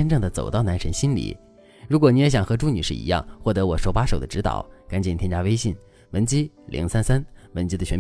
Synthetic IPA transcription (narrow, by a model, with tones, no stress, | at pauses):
ɛ˥nʈ͡ʂɤ˥˩ŋd̪ə˩t͡so˨˩ʊt̪ɑ˥˩ʊna˧˥nʂə˧˥nɕi˥nlḭ˨˩˦ | ɻu˧˥kwɔ˨˩ni˧˥jɛ˧˥ɕjɑ˨˩ŋxɤ˧˥ʈ͡ʂu˥ny˨˩ʂɻ̩˥˩ḭ˧˥jɑ̰˥˧ŋxwɔ˥˩t̪ɤ˧˥wɔ˨˩ʂo˧˥ʊpa˥ʂo˨ʊd̪ə˦ʈ͡ʂɻ̩˧˥t̪ɑ̰˨˩˦ʊka˨˧˥nt͡ɕn˨˩t̪ʰjɛ˥t͡ɕa˥we˥ɪɕi˥˩n | wə˧˥nt͡ɕi˥ | lʔḭ˧˥ŋsa˥nsa˥nwə˧˥nt͡ɕi˥d̪ə˨t͡ɕʰɥɛ˧˥